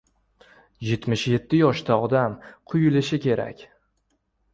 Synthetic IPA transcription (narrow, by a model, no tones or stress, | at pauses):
je̞t̪mɪʃje̞t̪ʰːɪjɒʃt̪ʰaɒd̪amqʰʊjɪlɪʃɪkʲʰe̞ɾa̰kʲ